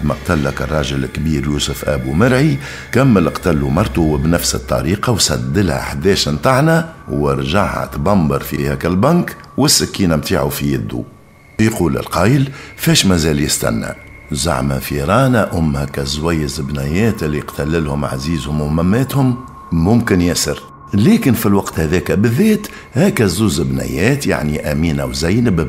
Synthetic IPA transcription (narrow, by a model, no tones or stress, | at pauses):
d̪mæ̰qt̪ælːækə̰rˤːɑːʒɪlkːbiːɾjuːsʊfʔæ̰bumɪɾʕi | kæmːələqt̪ælːumɑɾˤt̪uwbnæfsət̪ˤːɑ̰ɾiːqɑwsæd̪ːəlhæ̰ʔħd̪ɛːʃnt̪ˤɑʕnæwəɾˤʒaʕhæ̰t̪bɑmbɑɾˤfihækælbɑŋk | wəsːɪkːiːnæmt̪aːʕufijɪd̪ːṵ | jquːlɪ̰lqɑːjəlfɛːʃmæzæːljɪst̪æ̰nːæ̰ | za̰ʕmæfiɾˤɑːnaʔʊmːhɛkːæzwæjːɪzbnæjɛːt̪ɪlːiqt̪ʰælːɪlhʊmʕa̰ziːzhʊmwmæmːæːt̪hʊmː | ʊmkɪnjæsəɾ | lɛːkɪnfilwɑqt̪hæðɛːkæbɪðːɛːt̪ | hæːkːæzuːzəbnæ̰jɛːt̪ja̰ʕniʔæmiːnawzæjnəb